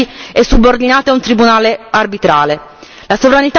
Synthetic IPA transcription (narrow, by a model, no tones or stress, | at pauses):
iɛsːubord̪inaːt̪eaunt̪ɾibunaːlearbit̪ɾaːle | lasovɾanit̪